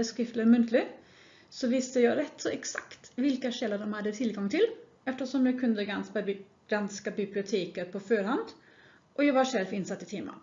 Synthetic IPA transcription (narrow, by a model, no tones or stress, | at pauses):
əskɾɪft̪ləɾmʉnt̪ʰlɪ | sɔʋɪst̪əjæɪɾɛt̪ːsɔɛksɑ̰kt̪ʋɪlkɑʂɛlːəɾd̪ɔmhɑd̪ːət̪ʰɪlɡɑŋt̪ʰɪl | ɛft̪əʂɔmjæɪkʰʉnd̪əɡɑnspɑ | ɡ̥ɾɑnskɑbɪblɪʊt̪ʰeːkəɾpʰɔføːɾhɑnd̪ | ʔɔjæɪʋɑʂɛlʋɪnsɑt̪ːɪt̪ʰɪmə̰